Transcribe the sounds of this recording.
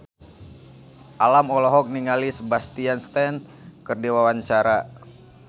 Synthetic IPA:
ʔalamɔlɔɦɔk̚niŋalisəbast̪ianst̪ɛn | kərdewawaɲt͡ʃaɾa

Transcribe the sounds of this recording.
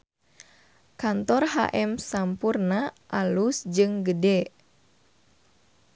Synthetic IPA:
kant̪ɔrɦa̰ʔɛmsampurnaʔalusd͡ʒɨŋɡədɛ

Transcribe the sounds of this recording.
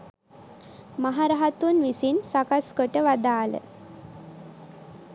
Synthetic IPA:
maɦaɾaɦat̪unʋisinsakaskoʈəʋad̪aːlə̰

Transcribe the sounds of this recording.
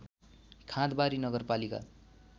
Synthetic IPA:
kʰãd̪baɾinʌɡʌrpalika̰

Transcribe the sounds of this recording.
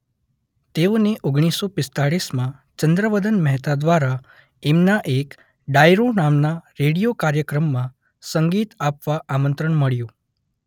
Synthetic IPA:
t̪eoneʔoɡɽ̃isːopɪst̪aɭismãt͡ʃənd̪ɾəʋəd̪ənməɦt̪ad̪ʋaɾa | emnaʔek | ɖajɾonamnaɾeɽijokaɾjəkɾəmːã | səŋɡit̪apʋaʔamənt̪ɾəɳməɭjũ

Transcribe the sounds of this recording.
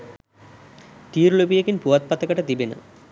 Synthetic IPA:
t̪iːɾɭobijɐkːinpuʋɐt̪̚pɐt̪ːɐkːɐʈːɐt̪ibinɨ̰

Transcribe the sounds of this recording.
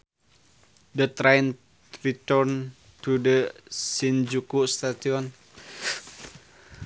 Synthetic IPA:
dət̪ɾajn | rit̪əɾn | t̪udəsind͡ʒukust̪atiɔn

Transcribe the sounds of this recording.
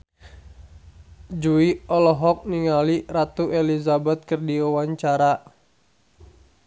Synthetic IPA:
d͡ʒuiɔlɔɦɔk̚niŋalirat̪uʔelizabɛt̪̚kɨrdiawaɲt͡ʃaɾa

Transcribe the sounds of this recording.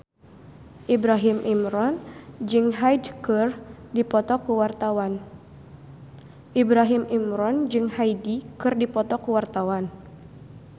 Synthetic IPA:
ʔibɾaɦimʔimɾɔnd͡ʒɨŋɦajdkɨrdipɔt̪ɔkuwart̪awan | ʔibɾaɦimimɾɔnd͡ʒɨŋhajdikɨrdipɔt̪ɔkuwart̪awan

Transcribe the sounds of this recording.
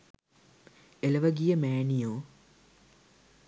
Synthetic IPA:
elɐʋɐɡijəmæːnijoː

